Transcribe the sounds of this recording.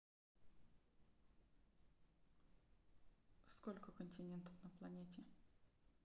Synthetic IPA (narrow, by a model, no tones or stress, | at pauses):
skolʲkəkənʲtʲɪnʲent̪ɔ̥fnɐplˠɐnʲetʲɪ